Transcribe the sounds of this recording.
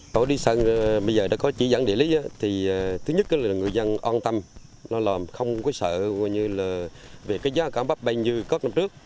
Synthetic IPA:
t̪o̰˧˩˦ɗi˧sə˧n˨ɓə˧jzəː˨˩ɗa̰ː˧˥kɔ˨˦t͡ɕi˧˩za̰˧˥ŋɗḭ˧˩əli˨˦ʔa˨˦t̪ʰiː˨˩˨t̪ʰɨ˨˦ɲə˦˥t̚ɗɔ˨˦laː˨˩ŋɨ˨˩əjzə˧nʔɔ˧nt̪a˧m | lɔ˨˧˦lɔː˨˩mxə˧wŋ͡mkɔ˨˦sə̰ː˧˨a˧˨jɲɨ˧laː˨˩ve˨˩kaː˨˦jzaː˨˦kaː˧˩mɓa˦˥p̚ɓa˧jɲɨ˧kɔ˦˥na˧mt͡ɕɨ˦˥ək̚

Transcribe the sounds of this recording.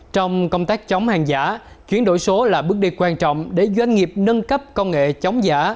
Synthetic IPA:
t͡ɕɔ˧wŋ͡mkə˧wŋ͡mt̪aː˦˥k̚t͡ɕɔ˨˦wŋ͡mhaː˨˩ŋzaː˧˩ | t͡ɕwi˨˦ənɗo̰˧˩˨jso˨˦laː˨˩ɓɨ˦˥ək̚ɗi˧kwaː˧nt͡ɕɔ̰˧˨wŋ͡mɗe˧˩zwa˧jŋ̟ŋi˨˩əp̚nə˧nkə˦˥p̚kə˧wŋḛ˧˨t͡ɕɔ˨˦wŋ͡mza̰ː˧˩˥

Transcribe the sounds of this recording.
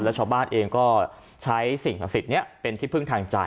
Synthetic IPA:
lɛː˦˥wt͡ɕʰa˧wbaː˥˩nʔeː˧ŋkɔː˥˩ | t͡ɕʰa˦˥jsi˨˩ŋa˨˩si˨˩t̪̚ni˦˥ɐpe˧nt̪ʰiː˥˩pʰɯ˥˩ŋt̪ʰaː˧ŋt͡ɕa˧

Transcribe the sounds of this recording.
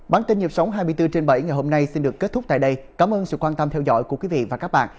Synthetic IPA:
ɓaː˨˩nt̪i˧nɲi˨˩əp̚sa˨˦wŋ͡mɦaː˧jmɨ˧əjt̪ɨ˧t͡ɕe˧nɓə̰˧˩jŋa˨˩jɦo˧mna˧jsi˧nɗɨ˨˩əkːe˦˥t̚t̪ʊ˦˥k͡p̚t̪a̰ː˧˨jɗə˧jkaː˨˦mʔəː˧nsɨ̰˧˨kwaː˧nt̪ə˧mt̪ʰɛ˧wzɔ̰˧˥jku˧˩əkwi˨˦vḭ˧˨vaː˨˩kaː˦˥k̚ɓa̰ː˧˨n

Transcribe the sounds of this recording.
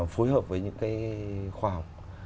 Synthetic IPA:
fo˨˦jhəː˨˩p̚vəː˨˦jɲɨ̰˧˥ŋkaː˨˦jxwaː˧˩ha˨˩wk͡p̚

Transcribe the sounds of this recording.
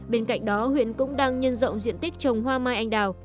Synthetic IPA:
ɓe˧nka̰˧˨jŋ̟̚ɗɔ˨˦hwḭ˧˨ənkʊ̰˧˥ŋ͡mɗaː˧ŋɲə˧nzə̰˧˨wŋ͡mzḭ˧˨ənt̪i˦˥k̚t͡ɕə˨˩wŋ͡mɦwaː˧maː˧jʔa˧jŋ̟ɗaː˨˩w

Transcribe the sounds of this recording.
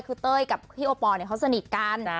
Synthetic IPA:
kʰɯː˧t̪ɤː˥˩˨jka˨˩p̚pʰiː˥˩ʔoː˧˩pɔː˧ni˧˩əkʰa˦˥wsa˧ni˨˩t̪̚ka˧n

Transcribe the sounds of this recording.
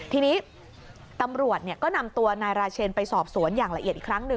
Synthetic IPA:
t̪ʰiː˧niː˦˥ | t̪a˧mɾu˨˩ət̪̚ni˥˩kɔː˥˩na˧mt̪u˧ɐnaː˧jɾaː˧t͡ɕʰeː˧npa˧jsɔː˨˩p̚su˩˦ənjaː˨˩ŋla˧ʔi˨˩t̪̚ʔiː˨˩kʰɾa˦˥ŋnɯ˨˩

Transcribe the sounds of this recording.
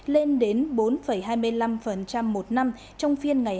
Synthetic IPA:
le˧nɗe˨˦nɓo˨˦nfə˧˩jɦaː˧jmɨ˧əjla˧mfə˨˩nt͡ɕa˧mːo˨˩t̚na˧m | t͡ɕɔ˧wŋ͡mfi˧ənŋa˨˩j

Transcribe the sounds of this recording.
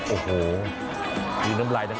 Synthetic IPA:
ʔoː˨˩hoː˩ | juː˧˩na˦˥mlaː˧jna˦˥

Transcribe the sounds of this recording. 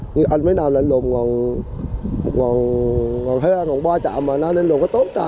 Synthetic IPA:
ɲɨ˧ʔa˧jnməː˨˦jnaː˨˩wla̰ː˨˩lo˨˩mŋɔ˨˩n˨ | ŋɔ˨˩nŋɔ˨˩nɦe˧ʔaː˧ŋɔ˨˩nɓwaː˧t͡ɕa̰ː˧˨maː˨˩naː˧ne˧nlo˨˩ŋ͡mkaː˨˦t̪o˦˥nkaː˧

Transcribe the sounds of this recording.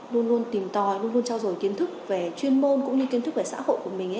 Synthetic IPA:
lu˧ənlu˧ənt̪i˨˩mt̪ɔ˨˩jlu˧ənlu˧ənt͡ɕɔ˧wzo˨˩jki˨˦ənt̪ʰɨ˦˥k̚ve˨˩t͡ɕwi˧ənmo˧nkʊ̰˧˥ŋ͡mɲɨ˧ki˨˦ət̪ɨ˦˥k̚ve˨˩sa̰ː˧˥ho̰˧˨jku˧˩əmï˨˩ŋ̟ʔ

